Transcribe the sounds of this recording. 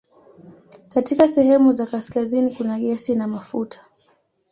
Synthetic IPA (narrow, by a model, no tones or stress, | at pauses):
katikasɛhɛmuzakaskazinikunaɠɛsinamafutʰḁ